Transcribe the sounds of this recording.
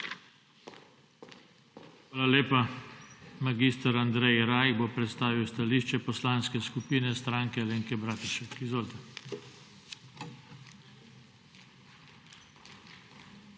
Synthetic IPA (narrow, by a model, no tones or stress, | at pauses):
xʋaːlaleːpa | maɡiːst̪əɾand̪ɾɛjɾaːjɡbopɾɛt̪st̪aːʋiwst̪aliːʃt͡ʃɛpɔslaːnskɛskupiːnɛst̪ɾaːŋkɛleːŋkɛbɾaːt̪iʃɛkizʋoːlt̪a